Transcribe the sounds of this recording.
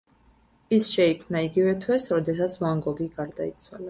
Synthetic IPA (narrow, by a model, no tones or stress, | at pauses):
isʃɛikʰmnaiɡivɛt̪ʰwɛsɾɔd̪ɛsat̪sʰvaŋɡɔɡiɡaɾd̪ait̪sʰwa̰la